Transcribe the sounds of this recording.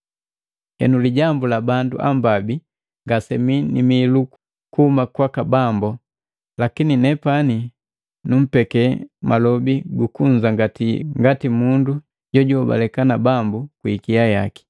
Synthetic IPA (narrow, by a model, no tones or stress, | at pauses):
hɛ̰nuliɟambulabandṵʔa̰mbabi | ŋɡasɛminḭmilu | kuhumakwakabambɔ | lakininɛpani | num̩pɛkɛmalɔbiɡukuɲd͡ʒaŋɡatiŋɡatimundu | ɟ̥ɔɟɔba̰lɛkanabambukwikijaja̰ki̥